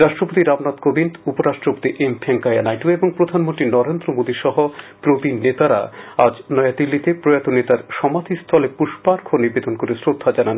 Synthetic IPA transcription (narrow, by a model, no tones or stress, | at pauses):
ɾaʃʈɾopot̪iɾamnat̪kobinupoɾaʃʈɾopo̥t̪iʔempʰeŋkajanajʈueboŋpɾod̪ʱanmont̪ɾinɔɾend̪ɾomod̪iʃɔɦopɾobinet̪aɾaad͡ʑnɔjad̪ilːit̪epɾojat̪onet̪aɾʃɔmad̪ʰʱist̪ʰɔlepuʃpaɾkʰoniɾbed̪onkoɾesɾod̪ʱːad͡ʑanan